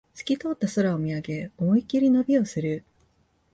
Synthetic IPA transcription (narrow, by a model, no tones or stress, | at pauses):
t͡sɨ̥kʲit̪o̞ːt̪ːaso̞ɾaomʲiaɡe̞omoikʲiɾʲinobʲio̞sɨɾɯ̟